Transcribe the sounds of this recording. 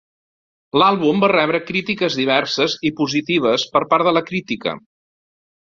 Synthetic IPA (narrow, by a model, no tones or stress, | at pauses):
lalˠβumbarɛβɾəkɾit̪ikəzðiβ̞ɛɾsəzipuzit̪iβ̞əspəɾpaɾðələkɾit̪ikə̰